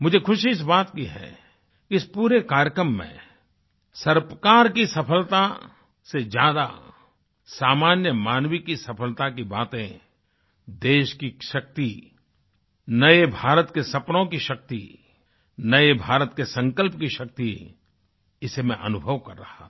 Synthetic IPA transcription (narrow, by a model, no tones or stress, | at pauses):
mʊd͡ʒʱekʰʊʃiɪs̬baːt̪kiɦɛ̰ | kiɪspuːɾekaːɾjəkɾəmːḛ̃ | sɐɾpkaːɾkisɐpʰəlt̪a | sed͡ʒjaːd̪a̰ | saːmaːnjəmaːnʋikisɐpʰəlt̪akibaːt̪ẽ | d̪eːʃkiʃɐk̚t̪i | nɐebʱaːɾət̪kesɐpnõkiʃɐk̚t̪ḭ | nɐebʱaːɾət̪kesɐ̃ŋkəlpkiʃɐk̚t̪i | ɪsemɛ̃ʔɐ̰nʊbʱəʋkɐɾːɐha